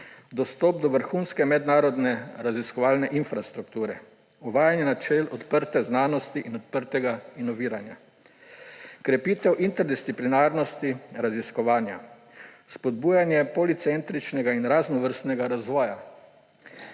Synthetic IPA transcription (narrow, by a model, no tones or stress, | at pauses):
d̪ɔst̪ɔp̚d̪ɔʋəɾxunskɛmɛd̪naːɾɔd̪nɛɾaziskɔʋaːlnɛʔinfɾast̪ɾuk̚t̪uːɾɛ | uʋaːjanjɛnat͡ʃɛlɔt̪pəɾt̪ɛznaːnɔst̪iʔinɔt̪pəɾt̪ɛɡainɔʋiːɾanja | kɾɛpiːt̪ɛwʔint̪ɛɾd̪ist̪siplinaːɾnɔst̪iɾaziskɔʋaːnja̰ | spɔd̪buːjanjɛpɔlit̪sɛnt̪ɾit͡ʃnɛɡainɾaznɔʋəɾst̪nɛɡaɾazʋɔːja